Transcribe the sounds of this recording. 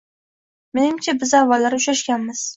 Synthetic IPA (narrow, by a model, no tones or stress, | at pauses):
menɪmt͡ʃʰabɪzavːalːaɾʊʃaʃɡʲanmɪz̥